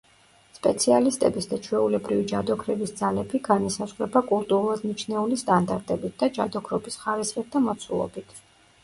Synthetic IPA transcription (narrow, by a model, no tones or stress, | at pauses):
spʼɛt̪sʰialist̪ʼɛbisd̪at͡ʃʰwɛulɛbɾivid͡ʒad̪ɔkʰɾɛbisd̪zalɛbiɡanisazʁɾɛbakʼulˠt̪ʼuɾulˠad̪nit͡ʃʰnɛulist̪ʼand̪aɾt̪ʼɛbit̪̚ʰd̪ad͡ʒad̪ɔkʰɾɔbisχaɾisχɛt̪̚ʰd̪amɔt̪sʰulˠɔ̰bit̪ʰ